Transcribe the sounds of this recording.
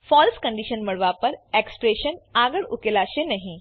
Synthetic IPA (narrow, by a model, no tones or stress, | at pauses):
fɔlskə̃ɳɖiʃənməɭʋapəɾekspɾeʃənaɡəɭukelaɕenɐɦĩ